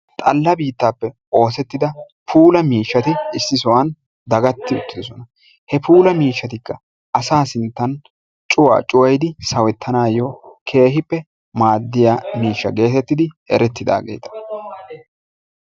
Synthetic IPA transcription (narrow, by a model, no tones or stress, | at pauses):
t̪ʼɐlːɐbiːt̪ːaːpːɛ | ʔo̞ːsɛt̪ːɪd̪ɐ | pʰuːlɐmiːʃːɐt̪ɪɪsːɪsɔwɐn | d̪ɐɡɐt̪ːɪʊt̪ːɪd̪ɔsɔnɐ | hɛpuːlɐmiːʃːɐt̪ɪkːɐ | ɐsaːsɪnt̪ːɐn | t͡ʃʼʊwa̰ːt͡ʃʼʊwɐjd̪ɪsɐwɛt̪ːɐnaːjokʰe̞ːɦɪpːɛ | maːd̪ːɪjamiːʃːɐ̰ɡe̞ːt̪ɛt̪ːɪd̪ɪ | ɛ̰ɾɛt̪ːɪd̪a̰ːɡe̞̰ːt̪ɐ̥